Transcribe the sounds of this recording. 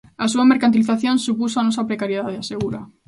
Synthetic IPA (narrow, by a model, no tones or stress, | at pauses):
asuameɾkant̪iliθaθjõnsupus̬oanos̬apɾekaɾjeðaðeaseɣuɾa